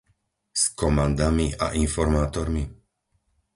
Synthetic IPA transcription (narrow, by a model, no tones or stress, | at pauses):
skɔmand̪amia̰ʔinfɔɾmaːt̪ɔɾmi